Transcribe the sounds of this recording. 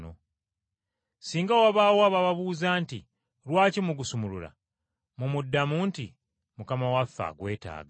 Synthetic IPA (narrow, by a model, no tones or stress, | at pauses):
no̰ | siːŋɡawaβawaβaβaβuːzaːntḭ | ɾwaːcimuɡusumulula̰ | mumudːamunti | mukamawafːa̰ɡwe̞ːta̰ːɡa